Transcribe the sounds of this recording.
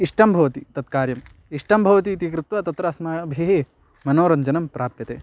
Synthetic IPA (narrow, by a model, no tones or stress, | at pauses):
iʂʈʰɐmbʱɐʋɐt̪it̪ɐt̪̚kaːɾjɐm | iʂʈʰɐmbʱɐʋɐt̪iːt̪ikɾɪt̪ʋɐt̪ɐt̪ɾɐsmaɐbʱiɦe | mɐnoːɾɐɲd͡ʒɐnɐmpɾaːpjɐt̪eː